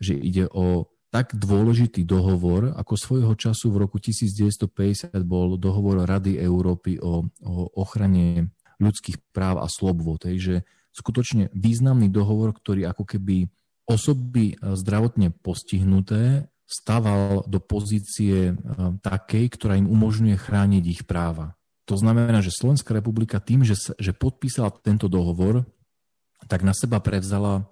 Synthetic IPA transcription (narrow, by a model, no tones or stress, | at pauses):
ʒɛʔḭɟɛʔɔ | t̪aɡd̪ʋʊɔlɛʒit̪iːd̪ɔɦɔʋɔɾa̰kɔsʋɔjɦɔt͡ʃasuvɾɔkucisiːd͡zɟɛʋɛst̪ɔpɛɟɛsɪad̪bɔld̪ɔɦɔʋɔɾɾad̪iɛʊɾɔːpiʔɔɔɔxɾaɲɛ | ʎut͡skiːxpɾaːʊa̰slɔbʋɔt̪ɦɛjʒɛ | skut̪ɔt͡ʃɲɛʋiːznamnid̪ɔɦɔʋɔɾkt̪ɔɾiːakɔkɛbi | ɔsɔbizd̪ɾaʋɔt̪ɲɛpɔsciɦnut̪ɛː | st̪aʋald̪ɔpɔziːt͡siɛt̪akɛjkt̪ɔɾaːimumɔʒɲujɛxɾaːɲiɟixpɾaːʋa | t̪ɔznamɛɛnaːʒɛslɔʋɛnskaɾɛpublikat̪iːmʒɛsʒɛpɔt̪̚piːsalat̪ɛnt̪ɔd̪ɔɦɔʋɔɾ | t̪aɡnasɛbapɾɛʋzala